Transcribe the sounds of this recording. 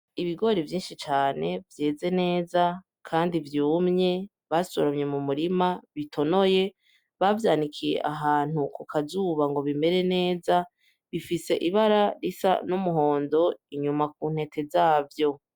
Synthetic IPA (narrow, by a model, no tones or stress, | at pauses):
iβiɡo̞ɾevjiːnʃit͡ʃaːne̞vje̞ːze̞ne̞ːza | kʰaːndivjuːmɲe̞ | βasoɾamɲe̞mumuɾimaβitʰo̞noje̞ | βavjaːnikʰijḛʔaɦaːn̥ukukʰazuːβaŋɡo̞βime̞ɾe̞ne̞ːza | βifise̞ʔiβaɾaɾisa̰numuɦo̞ːndo̞iɲumak̚uːn̥he̞tʰe̞zaːvjo̞